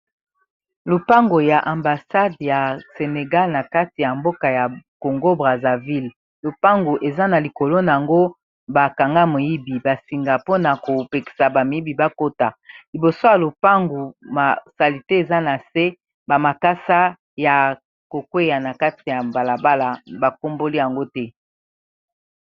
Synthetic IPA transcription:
lo˨pa˦ŋɡo˨ja˨ʔa˨mba˨sa˦dja˨se˨ne˨ɡa˦lna˨ka˦ti˨ja˨mbo˦ka˨ja˨ko˨ŋɡo˦bʁa˨za˨vi˦l | lo˨pa˦ŋɡu˨ʔe˨za˦na˨li˨ko˨lo˦na˨a˨ŋɡo˦ | ba˨ka˨ŋɡa˦mo˨ji˦bi˨ba˨si˨ŋɡa˨po˦na˨ko˨pe˨ki̥˨sa˨ba˨mi˨˦i˦bi˨ba˦ko˦ta˨li˨bo˨so˦ja˨lo˨pa˦ŋɡu˨ma˨sa˨li˨te˦e˨za˦na˨se˦ | ba˨ma˨ka˦sa˦ | ja˨ | ko˨kwe˦ja˨na˨ka˦ti˨ja˨ba˨la˨ba˦la˨ba˨ko˦mbo˦li˦ja˨ŋɡo˦tɛ˦

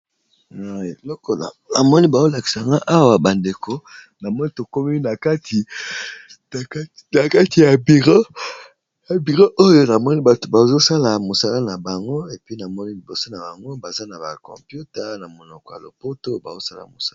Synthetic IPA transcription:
a˨e˨lɔ˦kɔ˨na̰˨na˨mɔ˦ni˦ba˨o˦la˨ki˨sa˨ŋɡa˦ʔa˦wa˨ba˨nde˨ko˨ | na˨mɔ˦ni˦to˨ko˦mi˦na˨ka˦tʰi˨˦ | na˨ka˦ti˨ja˨bi˨ʁo˦ | ja˨bi˨ʁo˦ʔo˦jo˨na˨mɔ˦ni˦ba˨to˨ba˨zo˦sa˦la˨mo˨sa˦la˦na˨ba˨ŋɡo˦e˨pi˦na˨mɔ˦ni˦li˨bo˨so˦na˨ba˨ŋɡo˦ba˨za˦na˨ba̰˨kɔ̰̃˨mpju˦ta˨na˨mo˨nɔ˨kɔ˦ja̰˨lo̰˨po˦to˦ba˨zo˦sa˦la̰˨mo˨sa˦

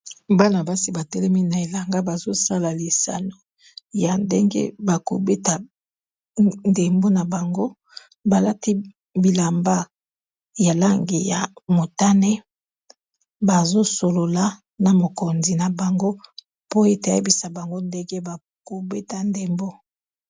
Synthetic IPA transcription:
ba˦na˨ba˦si˦ba˨tɛ˦lɛ˦mi˦na˨e˨la˨ŋɡa˦ba˨zo˦sa˦la˨li˨sa̰˨no˨ | ja˨nde˦ŋɡḛ˦ba˨ko̰˨be˦ta˨ | nde˨mbo˦na˨ba˨ŋɡo˦ | ba˨la˦ti˦ | bi˨la˨mba˦ | ja˨la˦ŋɡi˨ja˨mo˨ta˦ne˦ | ba˨zo˦so˨lo˨la˨ | na˨mo˨ko˨nzi˨na˨ba˨ŋɡo˦ | po˦e˦ta˨˦e˦bi˨sa˨ba˨ŋɡo˦nde˦ŋɡe˦ba˨ | ko˨be˦ta˦nde˨mbo˦

